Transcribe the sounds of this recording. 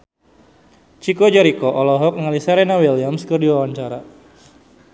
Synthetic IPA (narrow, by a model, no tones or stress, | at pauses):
t͡ʃikod͡ʒɔɾikɔʔɔlɔɦɔk̚ŋalisaɾenawiliamskɨrdiwawaɲt͡ʃaɾa